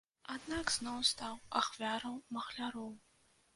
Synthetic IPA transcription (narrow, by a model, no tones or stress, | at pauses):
adnakznowstʰaːwa̰χvʲaːɾɐwmɐχɬaɾowm